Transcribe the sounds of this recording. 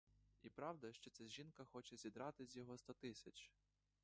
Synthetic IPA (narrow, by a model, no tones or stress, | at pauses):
ipɾɑwd̪ɐʃt͡ʃɔt̪sʲɛʒinkɐxɔt͡ʃɛzʲid̪ɾɑt̪ɪzʲjɔɦɔst̪ɔt̪ɪsʲɐt͡ʃ